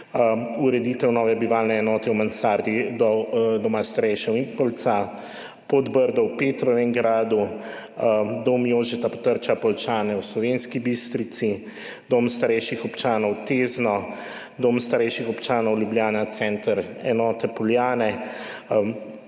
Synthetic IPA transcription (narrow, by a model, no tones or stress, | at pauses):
uɾɛd̪iːt̪ɛwnɔːʋɛbiʋaːlnɛɛnɔːt̪ɛwmansaːɾd̪id̪ɔd̪ɔmast̪aɾɛjʃɛwimpɔlt̪sa | pod̪bəɾd̪ɔwpeːt̪ɾɔʋɛŋɡɾaːd̪u | d̪oːmjoːʒit̪apɔ̥t̪əɾt͡ʃapɔlt͡ʃaːnɛwslɔʋenskibist̪ɾit̪si | d̪oːmst̪aɾɛjʃixɔpt͡ʃaːnɔwt̪eːznɔ | d̪oːmst̪aɾɛjʃixɔpt͡ʃaːnɔwljubljaːnat̪sɛnt̪əɾɛnɔːt̪ɛpɔljaːnɛ